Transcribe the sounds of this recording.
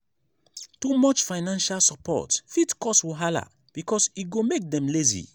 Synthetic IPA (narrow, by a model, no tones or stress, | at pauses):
tumɔt͡ʃfaɪnãnʃalsɔpʰɔ̰tfitkɔstwiɦala̰ | b̥ikʰɔsit̚ɡomek̚dɛ̃mlezḭ